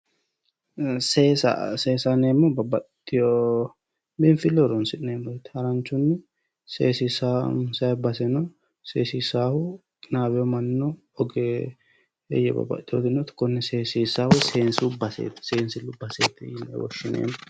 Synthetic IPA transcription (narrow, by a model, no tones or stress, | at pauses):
seːsa̰seːsaneːmːɔbɐbɐ | ɪjɔ | bɪnfɪlːɔɾɔnsɪneːmɔjt̪hɐɾɐnt͡ʃːʊnːɛ | seːsisasɐbɐsɛnɔ | seːsisaːhʊ | kʼɪnaːbɛjɔmɐnːɔ | ɔɡɛ | ɛ̰jɛ̰bɐ̰bɐ̰t̪ʼːɪjɔd̪ɪnɔt̪ɪ̥kːɔnːɛseːsisaːhʊseːnsubɐsḛːt̪seːnsɪlːʊbɐseːt̪ːɛɪnːɛ̰wɔ̰ʃːɪnḛːm